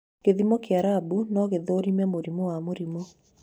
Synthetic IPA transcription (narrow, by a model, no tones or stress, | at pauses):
keðimɔkeaɾabunɔɣeðoɾimɛmoɾimowamoɾimo